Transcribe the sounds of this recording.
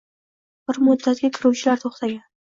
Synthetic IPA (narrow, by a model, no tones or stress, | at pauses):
b̥ɪɾmʊd̪ːat̪ɡʲakʲʰɪɾuwt͡ʃʰɪlaɾt̪ʰoχt̪ʰaɡʲan